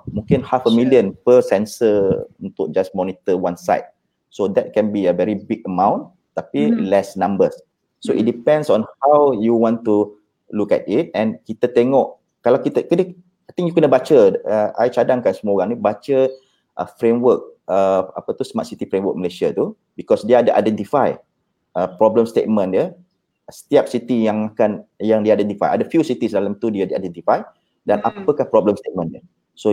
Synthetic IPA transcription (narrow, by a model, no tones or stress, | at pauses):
mũŋkɪnhafəmiliə̃npəsɛnsəunt̪ʊk̚d͡ʒasmɔnit̪əwãnsa̰ɪt̚ | sodɛt̚kɛ̃nbiəvɛɹibiɡ̚əmãw̃n | t̪apilɛsnãmbəs | soit̚dipɛ̃ndsɔ̃nhawjuwɔ̃ntu | lukɛ̰t̚it̚ɛ̃nkit̪ət̪eŋɔʔ | kalawkit̪əkənə | ajt̪iŋjukənəbat͡ʃəəʔa̰jt͡ʃadaŋkansəmuoɣaŋnibat͡ʃə | ʔə̰fɾemwək̚əa̰pət̪usəmaʔsit̪ifɾemwək̚məlasiat̪u | bikɔsdiəadəʔa̰jdɛnt̪ifaj | ʔəpɾɔbləmst̪et̪̚mə̃ndə | sə̥t̪iap̚sit̪ijaŋakanjaŋdiajdɛnt̪ifa̰jʔa̰dəfjusit̪isdalamt̪udiədia̰jdɛnt̪ifaj | danapəkahpɾɔbləmst̪et̪̚mə̃ndə | so